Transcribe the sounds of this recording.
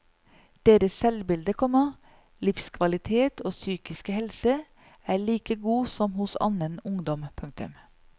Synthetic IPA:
d̪̥eːɾəssɛlbɪld̪əkʰɔmɑ | lɪfskʰʋɑlɪt̪ʰeːt̪ʰoːsyːkɪskəhɛlsə | æːɭiːkəɡuːsɔmhʊsɑ̰nənʊŋd̪ɔmpʰʉŋt̪ʉ̰m

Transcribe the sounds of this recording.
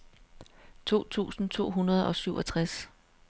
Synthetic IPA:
t͡sʰo̝̰ːt͡sʰṵːsn̩t͡sʰo̝̰ːɦunɐð̞ˠɒ̽syʊʔɒ̽t͡sʰʁas

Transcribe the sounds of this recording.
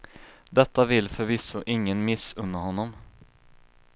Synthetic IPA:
d̪ɛt̪ːavɪlfœɾvɪsːʊʔɪŋːənmɪsɵnːəɾhɔnːɔm

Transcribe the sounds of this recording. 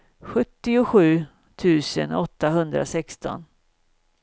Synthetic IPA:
ɧɵt̪ːɪʊɧʉ̟ː | t̪ʰʉ̟ːsə̰nɔt̪ːaɦɵnd̪ɾa̰sɛkst̪ɔ̰n

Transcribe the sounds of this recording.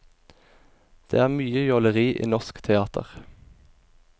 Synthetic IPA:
d̪̥ḛːæːʁmyːəjɔləʁiːʔḭːnɔskt̪ʰɛɑːt̪ʰə̰ʁ

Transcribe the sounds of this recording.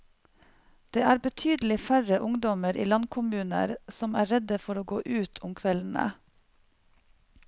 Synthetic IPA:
d̪̥eːæːɾbət̪ʰyːd̪l̩ɪfæɾəʔʊŋd̪ɔməɾʔḭːlɑnkʰʊmʉːnə̰ɾsɔmæːɾɛd̪əfɔɾoːɡo̰ːʔʉːt̪ʰʊmkʰʋɛln̩ə̰

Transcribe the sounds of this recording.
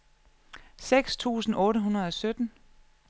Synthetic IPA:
seɡ̥st͡sʰṵːsn̩ʔɔ̽ːɾəɦunɐð̞̩ˠɒ̽sød̥n̩

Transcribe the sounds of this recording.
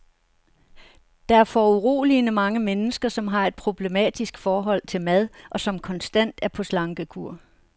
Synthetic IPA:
d̥ɑ̈æɐfɒuʁo̝̰ːlinəmɑ̈ŋəmenəsɡ̥ɐsɒ̽mɦɑ̈e̝d̥̚pʰʁo̝b̥le̝mɛ̰d̥isɡ̥fɒːɦɒ̽l̰t͡sʰe̝lmæð̞ˠʔɒ̽sɒ̽mkʰɒ̽nsd̥æn̰d̥æɐpʰɒ̽slɑ̈ŋɡ̥əkʰuɐ̰

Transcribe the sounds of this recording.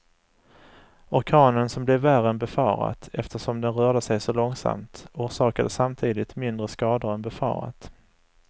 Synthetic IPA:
ɔɾkʰɑːnənsɔmblɛvːæɾənbɛfɑːɾa̰t̪ɛft̪əʂɔmd̪ɛnɾœːɖəsɛjsɔlɔŋsa̰mt̪uːɾʂɑːkad̪əsamt̪ʰiːd̪ɪt̪mɪnd̪ɾəskɑːd̪əɾɛnbɛfɑ̰ːɾa̰t̪

